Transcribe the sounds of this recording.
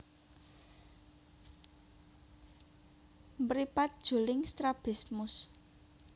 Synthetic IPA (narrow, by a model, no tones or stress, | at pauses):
mbəɾipat̪̚d̥ʒ̥o̤lɪŋst̪ɾab̥i̤smʊs